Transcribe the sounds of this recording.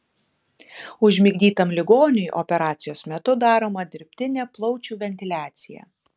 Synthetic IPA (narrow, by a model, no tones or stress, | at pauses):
ʊʒʲmʲɪɡʲd̪ʲiːt̪ɐmlʲɪɡoːnʲʊjʔɔ̰pʲɛɾɑːt̪sʲɪjoːsmʲɛt̪ʊd̪ɑːɾoːmɐd̪ʲɪɾʲpʲt̪ʲɪnʲeːplˠɔʊt͡ʃʲuːʋʲɛnʲt̪ʲɪlʲæːt̪sʲɪjɛ̰